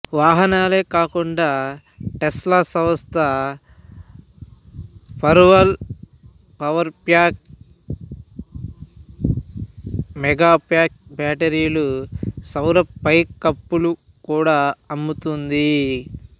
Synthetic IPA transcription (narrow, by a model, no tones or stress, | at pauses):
ʋaːɦɐnaːle̞ːkaːkuɳɖaː | ʈɛslaːsɐʋɐst̪ʰɐ | pɐɾʋɐl | pɐʋɐɾpjaːk̚ | mɛɡaːpjaːk̚baːʈeɾijlusɐwɾɐpɐjkːɐpːulu | kuːɽaːɐmːut̪und̪i